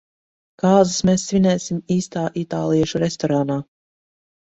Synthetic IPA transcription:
kaːzɨsmeːsːvʲinɛːsimiːst̪aːʔit̪aːlˠiɛʃuɾest̪ɔɾaːnaː

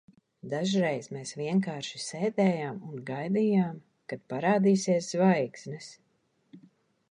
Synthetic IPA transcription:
d̪aʒɾejzmeːsviɛŋkaːɾʃiseːd̪ɛːjaːmunɡajd̪iːjaːm | kad̪̚paɾaːd̪iːsiɛszvajksnɛs

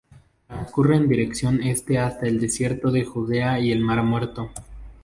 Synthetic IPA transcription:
okure̞ːnd̪iɾe̞ksjo̞ne̞st̪e̞ast̪ae̞ld̪e̞sje̞ɾt̪o̞ðe̞xuðe̞aie̞lmaɾmweɾt̪o̞

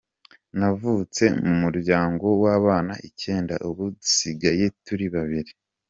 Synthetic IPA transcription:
navut͡se̞mumuɾɟaːŋɡo̞waːβaːnaʔice̞ːnda̰ʔuβudisiɡaje̞tuɾiβaβiɾi

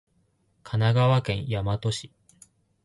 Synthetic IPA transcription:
kʰanaɡaβakẽ̞ɰ̃jamat̪o̞ɕi̥

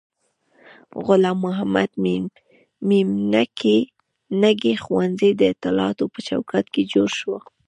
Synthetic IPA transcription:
ɣʊlɑmːʊɦama̰d̪mi | mimnake | naɡexwanzejd̪əɪt̪ɪlɑt̪opət͡ʃawkat̪ked͡ʒoɾʃwə

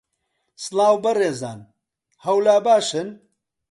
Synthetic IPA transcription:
slaːwbɐreːza̰ːn | hɐwlaːbaːʃɨn

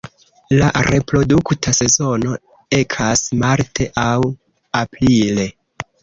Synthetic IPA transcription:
laɾe̞pɾo̞duktʰase̞zo̞no̞ | e̞kʰasmaɾtʰe̞ʔaw | apɾile̞

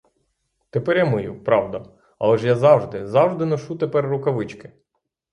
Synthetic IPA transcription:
t̪epɛɾjamɪjupɾɑwd̪ɐ | ɐ̰lˠɛʒjazɑwʐd̪ɪzɑwʒd̪ɪnɔʃut̪epɛrːʊkɐʋɪt͡ʃkɪ̥

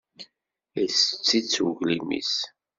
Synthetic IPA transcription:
əsət͡sːit͡sːuʝlimḭs

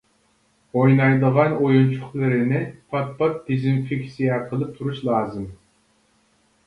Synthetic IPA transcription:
ojnɑjd̪əʁɑnojunt͡ʃʰʊχlˠɨɾɪnɪpʰɑt̪̚pʰɑt̚d̪̥izɪnfɪkʲsijɛqʰəlˠɨp̚t̪ʰuɾuʃlˠɑːzɨm

